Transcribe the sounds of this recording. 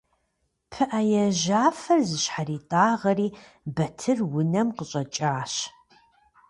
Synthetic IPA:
pʰɨʔajɛʒaːfɐrzɨɕħariːtʼaːʁɐriː | bɐtʰɨrwʊnɐmqəɕʼɐt͡ʃʼaːɕ

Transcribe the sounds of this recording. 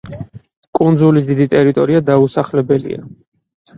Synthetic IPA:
kʼund̪zulisd̪id̪it̪ʼɛɾit̪ʼɔɾiad̪ausaχlɛbɛlḭa̰

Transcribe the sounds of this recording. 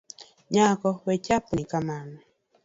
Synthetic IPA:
ɲakɔwecapunikamanɛ

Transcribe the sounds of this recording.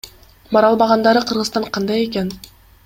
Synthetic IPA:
bɑɾɑlˠbɑʁɑnd̪ɑɾɯqʰɯɾʁɯzt̪ɑɴqʰɑnd̪ɑje̞ken

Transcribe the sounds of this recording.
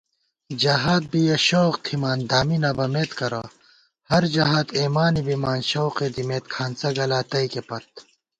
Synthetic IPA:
d͡ʑɐɦaːt̪̚bijɐɕoːqt̪ʰimaːnd̪aːminɐːbɐmeːt̪kɐɾɐ̰ | hɐɾd͡ʒɐɦaːt̪eːmaːnibimaːnɕoːqed̪imeːt̪kʰaːnsɐɡɐlaːt̪ɐikepɐt̪̚

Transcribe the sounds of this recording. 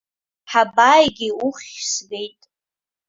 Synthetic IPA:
ħabaːjɡʲɪuχʲsɡejtʼ

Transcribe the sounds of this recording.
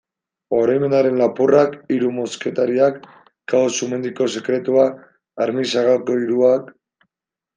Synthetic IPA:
o̞ɾajme̞naɾe̞nlapurakiɾumo̞ske̞t̪aɾiakː | asume̞nd̪iko̞se̞kɾe̞t̪uaː | ɾmisaɣalko̞iɾuak

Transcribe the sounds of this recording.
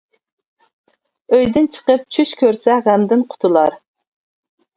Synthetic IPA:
øjd̪ɪnt͡ʃʰə̥qəp̚t͡ʃʰyʃkʲʰøɾsɛʁæmd̪ɪnqʰʊ̥t̪ʰʊlˠɑɾ

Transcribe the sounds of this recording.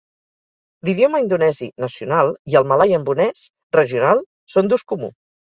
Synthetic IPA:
liðjoməind̪unɛzinəsiunalˠiəlˠməlajəmbunɛs | rəʒiunalˠ | sond̪uskumṵ

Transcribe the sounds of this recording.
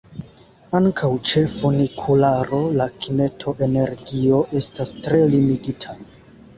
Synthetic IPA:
aŋkʰawt͡ʃe̞fonikʰulaɾo̞lakʰine̞tʰo̞ʔe̞ne̞ɾɡio̞ʔe̞stastɾe̞limiɡitʰa

